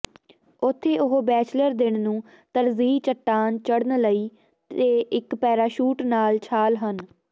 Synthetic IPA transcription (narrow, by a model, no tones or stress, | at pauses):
ʊt̪ʰːeːʔʊɦobɛːt͡ʃləɾd̪ɪɳnũː | t̪əɾziːt͡ʃəʈːaːnt͡ʃəɽnləiː | t̪eːʔɪkpɛːɾaːʃuːʈnaːlt͡ʃʰaːlɦən